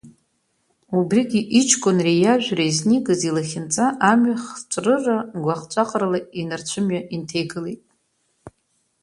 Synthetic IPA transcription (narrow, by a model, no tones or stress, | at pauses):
ubriɡʲiʔit͡ʃʰkʷʼonrejaʒᶣrezniɡʼɨzilaχʲɪnt͡sʼaʔamɥaχt͡ʃʷʼrɨraɡʷaχt͡ʃʷʼaqʼralainart͡ɕʷʰɨmɥaʔintʰejɡɨlejtʼ